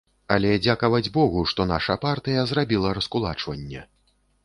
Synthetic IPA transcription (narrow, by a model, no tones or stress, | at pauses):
ɐlʲɛd͡zʲakɐvɐd͡zʲbɔɣuʂt̪ɔn̪a̰ʂɐpart̪ɨjɐzrabʲilˠɐɾɐskulˠat͡ʂvɐnʲːɛ̰